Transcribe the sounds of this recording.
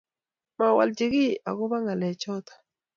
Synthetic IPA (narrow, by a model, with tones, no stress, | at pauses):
ma˨wa̰˨ld͡ʒɪ˨ɡɪ˦a̰˨ɡʊ˦βa˦ŋa˨lɛ˨t͡ʃɔ˦t̪ḁ˨